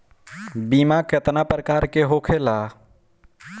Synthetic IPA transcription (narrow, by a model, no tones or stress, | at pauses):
bimaket̪napɾəkaɾkeɦokʰela